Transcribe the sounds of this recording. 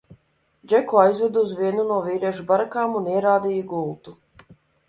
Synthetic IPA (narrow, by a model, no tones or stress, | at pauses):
d͡ʒɛkuajzvɛd̪uzviɛnunuɔviːɾɛʒubaɾakaːmuniɛɾaːd̪ijiɡulˠt̪u